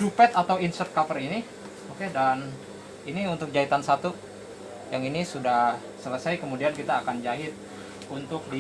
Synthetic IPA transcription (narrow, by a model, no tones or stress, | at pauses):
dupɛt̪at̪awinsərt̪̚kapərini | okedan | iniunt̪ʊk̚d͡ʒait̪ansat̪u | jaŋinisuda | sələsajkəmudiankit̪aːkand͡ʒaɦɪt̪̚ | unt̪ʊk̚di